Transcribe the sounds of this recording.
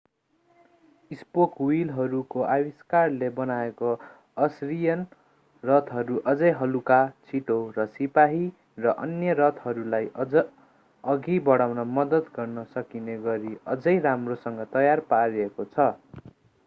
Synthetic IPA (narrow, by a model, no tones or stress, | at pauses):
ispokwilɦʌɾukoʔawiskarlebʌnaeko | ʌsrijʌn | rʌt̪ʰɦʌɾuʔʌd͡zʌjɦʌlukat͡sʰiʈorʌsipaɦi | rʌʔʌnjʌɾʌt̪ɦʌɾulajʌ | ʌɡibʌɽawnʌmʌd̪ʌd̪ɡʌrnʌsʌkineɡʌɾiʌd͡zʌjramrosʌŋɡʌt̪ʌjarpaɾiekot͡sʰʌ